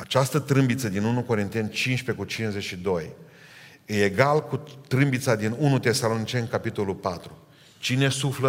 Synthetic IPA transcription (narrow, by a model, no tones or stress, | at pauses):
at͡ʃast̪ət̪ɾɨmbit̪səd̪inunuko̞ɾint̪e̞nt͡ʃinʃpe̞kut͡ʃinzet͡ʃʃid̪o̞j | ejeɡalkut̪ɾɨmbit̪sad̪inunut̪e̞salo̞nit͡ʃe̞nkapit̪o̞lulpat̪ɾu | t͡ʃine̞suflə